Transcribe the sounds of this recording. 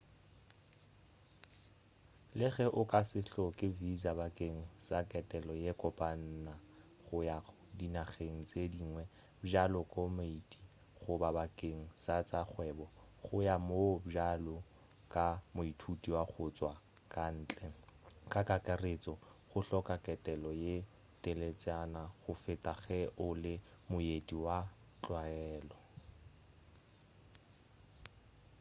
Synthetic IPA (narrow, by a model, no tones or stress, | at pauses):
lɪɣɛʔʊkʼasɪɬɔkʼɪvizabakʼeŋ̩sakʼɛtʼɛlɔjekʼɔpʼan̩na | χʊjaɣʊdinaɣeŋ̩t͡sʼediːŋwɛ | bd͡ʒalɔkʼɔmeitʼi | χʊbabakʼeŋ̩sat͡saχwɛbɔ | χʊjamobd͡ʒalɔ | kʼamʊitʰutʼiwaχʊt͡sʼwa | kʼan̩ːt͡ɬʼɛkʼakʼakʼaret͡sʼɔχʊɬɔkʼakʼɛtʼɛlɔje | tʼelet͡sʼanaχʊfɪtʼaɣɛʔʊlɪ | mʊjediwa | t͡ɬʼwaɛːlɔ